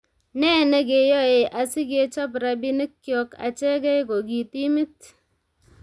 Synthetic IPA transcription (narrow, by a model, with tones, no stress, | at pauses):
nɛ˦˨nɛ˦k̬e˨jɔ˦e˨ʔa˨si˦ke˦t͡ʃɔ˦p̬ɾa˦bi˦ni˦kːjɔ˦ka̰˨t͡ʃɛ˦kɛ˦ko˨ki˨ti˦mi˦t